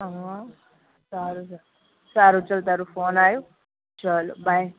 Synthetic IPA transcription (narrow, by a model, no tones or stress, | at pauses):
saɾus | saɾut͡sʌlt̪ʌɾupʰoːnaju | t͡ʃʌlbʱaj